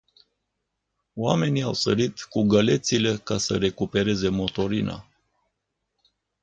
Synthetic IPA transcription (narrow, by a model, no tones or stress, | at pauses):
oame̞niawsəɾit̪kuɡəle̞t̪sile̞kasə̰ɾe̞kupe̞ɾe̞ze̞mo̞t̪o̞ɾina̰